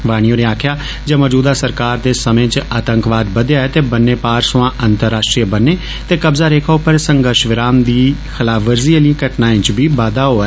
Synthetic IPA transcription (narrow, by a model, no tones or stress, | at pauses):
ʋaːɽ̃ijõːɾeaːkʰjaː | d͡ʒeːmɔːd͡ʒuːd̪aːsəɾkaːɾd̪eːsəmẽːt͡ʃət̪ə̃ŋkʋaːd̪bəd̪ejaːɛːt̪eːbənːeːpaːɾsʊʋãːʔənt̪əɾːaːsʈɾiəbənːeː | t̪eːkəbzaːɾeːkʰaːʊpəɾsəŋɡəɾʃʋɪɾaːmd̪iːxɪlaːʋəɾziːelĩːkəʈnaːɪ̃ːt͡ʃbiːʋaːd̪aːɦoːɛː